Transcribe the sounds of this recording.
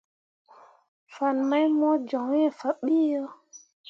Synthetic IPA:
fa˨nma˦jmɔ˦d͡ʒɔ˨ŋ˦e˨fa˨ɓi˦jo˦

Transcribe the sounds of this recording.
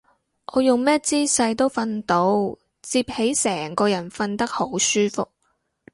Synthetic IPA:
ʔɔː˨˧jʊ˨ŋmɛː˥t͡siː˥sɐ˧jt̪o˥wfɐ˧nt̪o˨˥w | t͡siː˧p̚he˨˥jsɛː˨˩ŋkɔː˧jɐ˨˩nfɐ˧nt̪ɐ˥k̚ho˨˥wsyː˥fʊ˨k̚

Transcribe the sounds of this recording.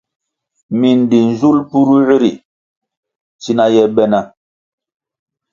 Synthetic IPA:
mi˨n˨di˨n˨zu˦lpu˦ɾu˦ɣi˦ɾḭ˨ | t͡ʃi˦na˦jɛ˦bɛ˦na˦

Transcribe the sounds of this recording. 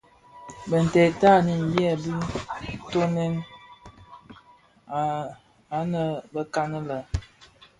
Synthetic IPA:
bə˨n̩˨tɛ˨ta˦˨ni˨n̩˨bjɛ˦˨bi˦to˦nɛ˦n˨ | a˨˦nə˨bə˦ka˦nə˦lə˨

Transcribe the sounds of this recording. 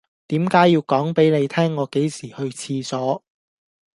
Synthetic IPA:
t̪iː˨˥mkaː˨˥jːiː˧wkɔː˨˥ŋpe˨˥jne˨˧jt̪ʰɛː˥ŋːɔː˨˧ke˨˥jsiː˨˩hɵ˧ɥt͡sʰiː˧t͡sɔː˨˥

